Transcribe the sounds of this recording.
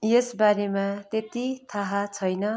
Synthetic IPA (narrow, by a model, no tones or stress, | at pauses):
jesbaɾemat̪et̪it̪ʰʌɦat͡sʰʌjnʌ